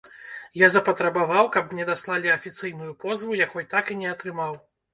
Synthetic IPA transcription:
jazɐpɐt̪ɾɐbavawkɐp̚mnʲɛd̪aslˠalʲiɐfʲit̪sɨjnujupɔzvujakɔjt̪akinʲɛɐt̪ɾɨmaw

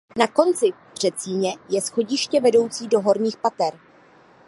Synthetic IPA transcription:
nako̞nt͡sɪ | br̝̥ɛt̪t͡siːɲɛjɛsxo̞ɟɪʃcɛvɛdo̞wt͡siːdo̞ɦo̞ɾɲiːxpat̪ɛɾ

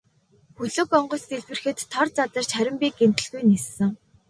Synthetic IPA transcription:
xɵɮŏkɔɴɢɞ̆st̪eɮpwɘ̆rxɘ̆t̪ʰːɔrt͡sat̪ə̆r̥t͡ɕχæɾʲɪ̆mpʲiːɡen̥t̪ɘ̆ɮɣujnisːɘ̆ŋ

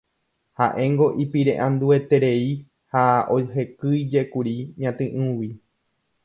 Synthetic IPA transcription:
haʔẽ̞ŋɡo̞ʔipiɾe̞̰ʔãnd̪ue̞t̪e̞ɾe̞i | haoɦe̞kɨjd͡ʒe̞kuɾiɲãt̪ɨ̃ʔɨ̃wi

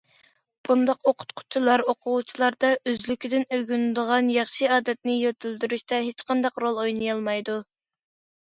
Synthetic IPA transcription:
b̥und̪ɑqoqʰʊ̥t̪qʰʊ̥t͡ʃʰilˠɑɾoqʰʊwut͡ʃʰilˠɑɾd̪ɑʔøzlykʲʰid̪ɪnøɡʲynd̪əʁɑnjɑχʃɨɑːd̪ɛt̪̚nɪjøt̪ʰyld̪yɾyʃt̪ɛɦet͡ʃqʰɑnd̪ɑqɾolˠojnɨjɑlˠmɑjd̪u

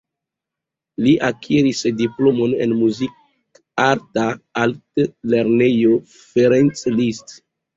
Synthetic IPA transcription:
liʔakʰiɾisdiplo̞mo̞nḛnmuzik̚ | aɾtaaltleɾne̞jo̞ | feɾent͡slist

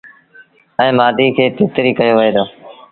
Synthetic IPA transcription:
ɛ̃ːmaːd̪ʱiːkʰeːt̪ɪːt̪ɾiːkəjoːʋɪeːd̪oː

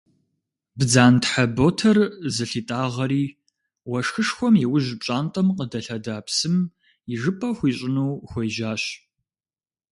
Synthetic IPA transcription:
bd͡zaːntħaboːtʰɐrzɨɬiːtʼaːʁɐɾiː | wɐʂxɨʂxʷɔmjɛwʊʑpɕʼaːntʼɐmqədɐɬɐdaːpsɨm | jɪʒɨpʼɐxʷiːɕʼɪnuːxʷejʒaːɕ

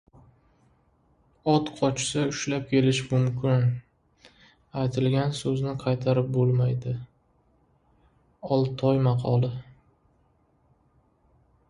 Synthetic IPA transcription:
ɒt̪qʰɒt͡ʃsaʊʃlap̚kʲʰe̞lɪʃmʊmkʲɪn | ajt̪ʰɪlɡʲansɵznɪqʰɑjt̪ʰaɾɪp̚bolˠmajd̪ɪ | ɒlˠt̪ʰɒjmɑqʰɒlˠɪ

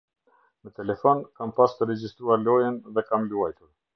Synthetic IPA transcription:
mət̪ɛlɛfɔnkampast̪əɾɛd͡ʑist̪ɾuaɾlɔjənðɛkamluajt̪uɾ

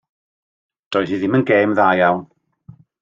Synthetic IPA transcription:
d̥ɔːɨðiðɪmənɡeːmðaːjawn

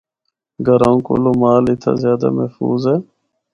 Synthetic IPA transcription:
ɡʱəɾãːũːko̰ːloːmaːlɪt̪ʰa̰ːzjaːd̪a̰ːməɦfṵːzɦeː

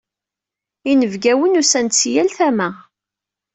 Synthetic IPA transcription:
inəvɡæwənusænt͡sːjælθæmæ

